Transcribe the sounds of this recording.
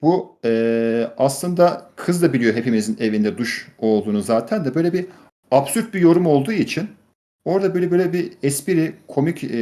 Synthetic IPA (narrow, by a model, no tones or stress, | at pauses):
b̥uɛaslˠɯnd̪akʰɯzd̪abilʲijo̞ɦe̞pʰimizine̞vind̪ɛd̪uʃo̞lˠd̪uːnuzaːt̪ʰænd̪ɛbø̞jlʲɛbi | absyɾt̪̚bijo̞ɾumo̞lˠd̪uːit͡ʃʰin | o̞ɾd̪abøjlʲɛbøjlʲɛbiɛspiɾikʰo̞mic